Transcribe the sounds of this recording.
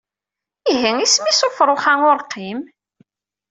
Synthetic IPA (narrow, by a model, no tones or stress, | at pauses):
iɦiŋismisofɾˤoχaŋʊɾqːim